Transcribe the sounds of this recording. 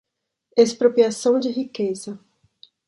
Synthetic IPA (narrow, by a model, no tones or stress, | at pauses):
espɾopɾiasɐ̃w̃d͡ʒɪɦikezɐ